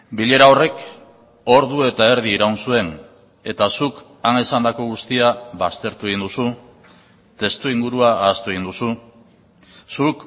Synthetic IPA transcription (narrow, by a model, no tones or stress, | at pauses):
biʎe̞ɾao̞re̞k | o̞ɾðue̞t̪ae̞ɾð̞iːɾawnsue̞n | e̞t̪asuk | ane̞sand̪ako̞ɣ̞ust̪iaβast̪e̞ɾt̪ue̞ɣind̪usu | t̪e̞st̪uiŋɡuɾuaːst̪ueɣind̪usu | suk